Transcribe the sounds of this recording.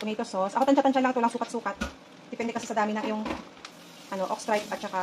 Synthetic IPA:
p̪ʊŋit̪ososʔɐkot̪ɐnt͡ʃat̪ɐnt͡ʃalɐŋt̪owlɐŋsuːkɐt̪suːkɐt̪̚ | d̪ɛpɛnd̪ɛkɐsɛsɐd̪aːmɪnɐŋʔɪjʊŋ | ʔɐno̞ʔokst̪ɾajt̪̚ʔɐt̪̚t͡ʃɐka

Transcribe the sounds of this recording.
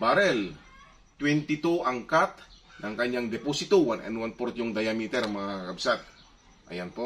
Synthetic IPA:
baɾɛl | t̪wɛnt̪ɪt̪uʔaŋkat̪̚nɐŋkɐɲaŋd̪ɛposɪt̪uwanɛ̰nwanpoɾt̪jʊŋd̪ɐjamit̪ɛɾmɐŋakakɐbsat̪̚ | ʔɐ̰janpo

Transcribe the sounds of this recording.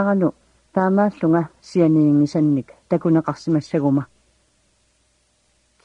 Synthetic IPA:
ʁɑnʊ | t̪aːmaːɬʊŋasianiːŋɪsanːɪkt̪akʊnɑqɑqsɪmasaɣʊma

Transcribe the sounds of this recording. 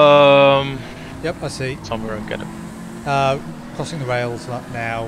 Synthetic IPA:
ʌ̃m | jɛpaɪsisʰʌ̃mwɛɹə̃nɡɛ̰ɾɨ̰t̚ | ʌ | kʰɹ̥ɒsɪ̃ŋðəɹeɪlˠzʌtnaʊ

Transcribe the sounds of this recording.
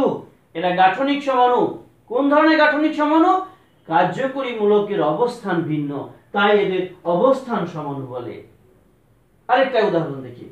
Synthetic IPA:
u | eɾaɡaʈʰonikʃɔmanu | konɔd̪ʱɔɾɔɽ̃eɡaʈʰonikʃʰɔmanu | kaɾd͡ʒokoɾimulokeɾɔbost̪ʰanbʱinːɔt̪ajed̪eɾɔbost̪ʰanʃɔmɔnubɔlḛ | aɾek̚ʈajud̪aɦɔɾɔnd̪ekʰḭ

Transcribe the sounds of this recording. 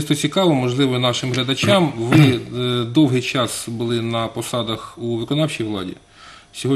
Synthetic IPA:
st̪ɔt͡sʲikɑʋɔmɔʒlˠɪʋɔnɑʃɪmɦlʲɐd̪ɐt͡ʃʲɑmʋɪd̪ɔwɦɪjt͡ʃɑsbʊlˠɪnɐpɔsɑd̪ɐxuʋɪkɔnɑwt͡ʃijʋlˠɑ̰dʲḭ | sʲɔɦɔ

